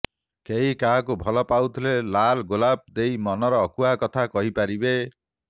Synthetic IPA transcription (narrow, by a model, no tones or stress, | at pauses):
keɦikaɦkubʱɔlɔpawt̪ʰilelalɡolab̚d̪ejmɔnɔɾɔːkuakɔt̪ʰakɔɦipaɾibe